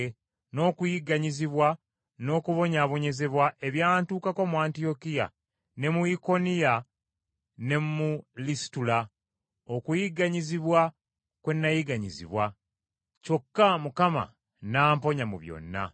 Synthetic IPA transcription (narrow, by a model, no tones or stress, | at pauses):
no̞ːkujiɡaɲiziβwa | no̞ːkuβo̞ɲaβo̞ɲe̞ze̞βwaʔe̞βjaːntuːkako̞muaːntio̞kija̰ | ne̞muiko̞nija | ne̞mulisi̥tula | okujiɡaɲiziβwa | kwe̞nːajiɡaɲizḭβwa | co̞kːamukama̰ | naːmpo̞ɲamṵβjo̰nːa̰